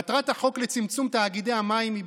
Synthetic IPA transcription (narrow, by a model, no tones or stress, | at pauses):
t̪ʁat̪haχo̞klet͡simt͡sumt̪aːɡid̪ejamaimi